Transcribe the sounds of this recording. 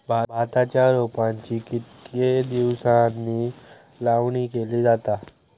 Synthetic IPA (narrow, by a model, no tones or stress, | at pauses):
bʱabʱat̪at͡ɕjaɾopant͡ɕiːkit̪ked̪iʋsanːiː | laʋɳikeliːd͡zat̪a